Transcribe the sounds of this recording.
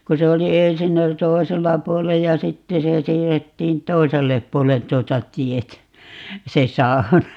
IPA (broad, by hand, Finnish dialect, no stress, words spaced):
ku se oli ensin oli toˑiselːɑ puolej jɑ sitːe se siːrːetːiːn toiselːep puolen tuotɑ tietæ se sɑu̞nɑ